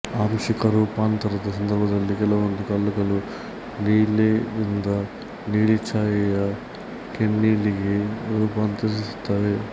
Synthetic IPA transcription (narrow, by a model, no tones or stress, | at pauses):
aːmʂɐkɐɾuːpaːnt̪ɐɾɐd̪ɐsɐnd̪ɐɾbʱɐd̪ɐlːikɛlɐʋɐnd̪ukɐlːɐkɐlu | niːleind̪ɐ | niːɭit͡ʃaːjɐjɐ | kenːiːliɡeɾuːpaːnt̪ɐɾist̪aːʋe